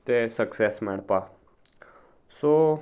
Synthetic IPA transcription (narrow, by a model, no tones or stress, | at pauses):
t̪esəksesmeɽpa | so